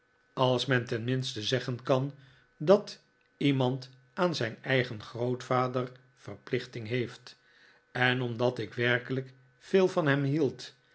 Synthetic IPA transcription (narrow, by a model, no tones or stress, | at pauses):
ɑlˠsmɛntɛnmɪnstəzɛχənkɑn | dɑt | imɑnt | aːnzɛjnɛjχənχrowtfaːdər | fərplɪχtɪŋɦejft | ɛnɔmdɑtɪkʋɛrkələk | feːlˠvɑnɦɛmɦilˠt